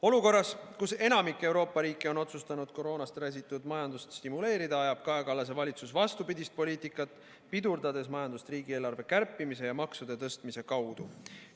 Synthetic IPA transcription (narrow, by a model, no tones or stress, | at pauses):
o̞luko̞rːɑskuse̞nɑmikːˑe̞wɾo̞ːpːˑɑɾiːkːˑeo̞no̞t̪sust̪ɑnud̪̥ko̞ɾo̞ːnɑst̪ræs̬ʲit̪ːˑud̪mɑjɑnd̪ust̪st̪imule̞ːɾid̪ɑɑjɑb̥̚kɑekɑlɑs̬e̞vɑlʲit̪susvɑst̪upid̪ist̪̚po̞lʲiːt̪ikːˑɑt̪ːˑ | pid̪urd̪ɑd̪e̞smɑjɑnd̪̥ust̪riːɡie̞ːlɑɾve̞kærpˑːimis̬e̞jɑmɑksud̪̥e̞t̪ɤst̪mise̞kɑwd̪̥u